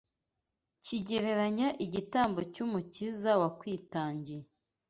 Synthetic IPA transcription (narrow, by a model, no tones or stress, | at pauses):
ciɟe̞ɾe̞ɾaɲaʔiɟitaːmbocuːmucizawakwiːtaːɲɟie